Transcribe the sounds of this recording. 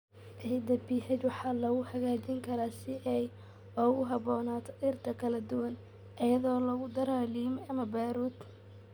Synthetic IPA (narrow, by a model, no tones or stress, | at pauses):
ʔɛɪd̪ɐbiːħɛd̪wɑħɑːlɐɣʊhɐɣaːt͡ʃɪŋkʰɐɾaːsɪʔɛj | ɔːɣʊɦɑβɔːnaːt̪ʰɔ̥ʔɪrt̪ʰɐkʰɐlɐd̪ʊwɐn | ʔɐjɐðɔːlɐɣʊd̪ɐɾaːliːmɐmɐbaːɾuːd̪